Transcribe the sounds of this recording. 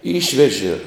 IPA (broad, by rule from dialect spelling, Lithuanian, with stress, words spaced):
ˈiːʃʲʋʲɛʒʲɪ